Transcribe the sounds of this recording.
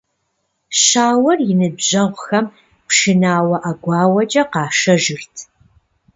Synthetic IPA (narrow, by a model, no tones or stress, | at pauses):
ɕaːwɐrjɪnɨbʑɐʁʷxɐm | pʂɨnaːwɐʔɐɡʷɑːwɐt͡ʃʼɐqɑːʃɐʒɨrtʰ